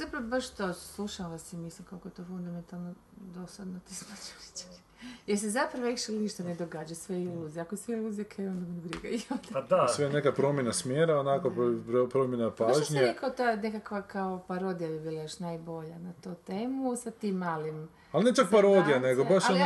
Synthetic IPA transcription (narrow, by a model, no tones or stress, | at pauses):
zapɾaʋobaʃt̪oslˠuʃaʋasimislimkolˠkojet̪ofund̪ame̞nt̪alˠno | d̪osad̪not̪ismat͡ʃo̥ɾi̥t͡ʃḁɾ | jeɾs̬ezapɾaʋoikʃilniʃt̪aned̪oɡaːd͡ʒasʋeiluːzijakoseilˠuzijekʰajond̪amonɡɾḭɡajod̪assʋejnekapɾo̞mjenasmjeːɾaonakoppɾopɾomjenapaaːoʒɲiikaot̪anekakʋakaopaɾo̞d̪ijabibiːlˠajoʃnajbo̞ʎanat̪oːt̪eːmusat̪iːmːaːlim | alnet͡ʃak̚paɾod̪ijaneɡobaʃon